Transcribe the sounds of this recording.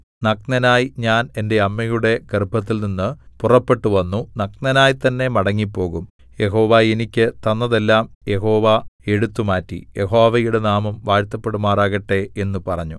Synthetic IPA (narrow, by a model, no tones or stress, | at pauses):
nɐknɐnaːjiɲaːne̞nde̞ɐmːɐjuɽe̞kerbʱɐt̪̬ːilninːɨpurɐpːe̞ʈːuʋɐnːunɐknɐnaːjit̪ɐnːe̞mɐɽɐŋːipːo̞ːɣum | je̞ɦo̞ːʋaːenikʲːɨt̪ɐnːɐðe̞lːaːmje̞ɦo̞ːʋae̞ɽut̪ːumaːtːḭje̞ɦo̞ːʋɐjuɽe̞naːmɐmʋaːɾt̪ːɐpːe̞ɽumaːraːɣɐʈːe̞e̞nːupɐrɐɲːu